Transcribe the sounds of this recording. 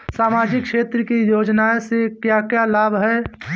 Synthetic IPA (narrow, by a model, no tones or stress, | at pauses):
saːmaːd͡ʒɪkʃeːt̪ɾəkijoːd͡ʒnaesekjakjalaːbɦɛ